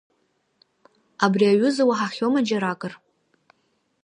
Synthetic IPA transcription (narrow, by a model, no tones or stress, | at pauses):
abriaɥʊzawaħaχʲomad͡ʒaɾakʼɨr